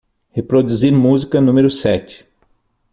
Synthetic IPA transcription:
hepɾod̪uziɾmuzikɐnũmeɾʊsɛt͡ʃɪ̥

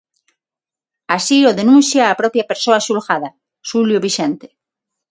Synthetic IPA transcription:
asioðenũnθjaːpɾɔpjapeɾsoasulɣaðɐ | ʃuljoβiʃɛnt̪e̥

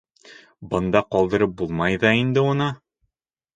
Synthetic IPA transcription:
bɤ̆nd̪ɑqɒlˠd̪ɤ̆ɾɤp̚bulˠmɑjðɑind̪ɘunɤ

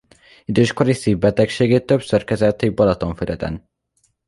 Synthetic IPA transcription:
id̪øːʃko̞ɾisiːvbɛt̪ɛkʃeːɡeːt̪ːøpsørkɛzɛlt̪ebɒlɒt̪o̞ɱfyɾɛt̪ɛ̰n

